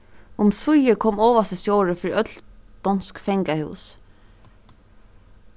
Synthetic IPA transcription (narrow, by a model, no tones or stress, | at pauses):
ʊmθʊjəkʰɔːmɔːʋast̪əsjoːɾəfɪːɾiʔœt̪ld̪ɔnskfɛŋkahʉ̰ːs